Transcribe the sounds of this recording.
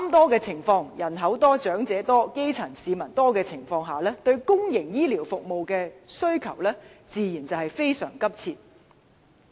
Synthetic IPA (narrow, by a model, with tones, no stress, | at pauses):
ɐ˥mt̪ɔː˥kɛː˧t͡sʰɪ˨˩ŋfɔː˧ŋjɐ˨˩nɦɐ˨˥wt̪ɔː˥t͡ʃœː˨˥ŋt͡sɛː˨˥t̪ɔː˥ke˥jt͡sʰɐ˨˩nsiː˨mɐ˨˩nt̪ɔː˥kɛː˧t͡sʰɪ˨˩ŋfɔː˧ŋɦaː˨˩lɛː˥t̪ɵ˧ɥkʊ˥ŋjɪ˨˩ŋjiː˥liː˨˩wfʊ˨k̚mo˨wkɛː˧sɵ˥ɥkʰɐ˨˩wlɛː˥t͡siː˨˧jiː˨˩nt͡sɐ˨whɐ˨jfe˥jsœ̰ː˨˩ŋkɐ˥p̚t͡sʰiː˧t̪̚